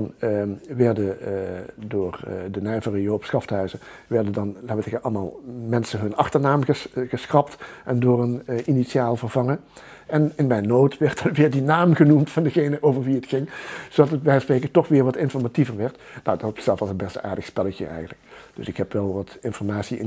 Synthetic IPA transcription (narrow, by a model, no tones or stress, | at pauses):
ɑnʋɛɹdə | dʊːrdənɛjvərəjoːpsχɑftɦœɥzəʋɛɹdədɑnlaːətɪəʔɑlˠmaːlˠmɛnsəɦɵnɑxtəɹnaːməɣəsxrɑptʔɛndʊːrənʔinitsaːlˠvərvɑŋə | ɛnɪnmɛjnːoːtʋɛɹt̚dɑnʋɪːɹdinaːmɣənumtfɑndəɣejnəʔowvəɹʋiətxɪŋz̥odɑtət̚bɛjsprejkətɔχʋɪːɹʋɑtɪnfɔɹmativəɹʋɛɹtnodɑtsɛlˠfɑsənbɛsta̰ːɹdəxspɛləkə̰ʔɛ̰jɣənləkd̥ɵ̰sɪkɦɛpʋɛlˠʋɑtɪnfɔɹmaːtsiɪ̰n